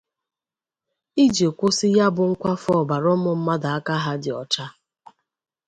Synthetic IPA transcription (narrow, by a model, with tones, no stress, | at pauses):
i˦d͡ʒe˨kʷʊ˦sɪ˦ja˦bʊ˨ŋ̩˦kʷa˦fɔ˦˨ba˨ɾɔ˦mʊ˨m̩˦ma˦da˨a˦ka˦ɦa˦dɪ˨ɔ̰˨t͡ʃa˦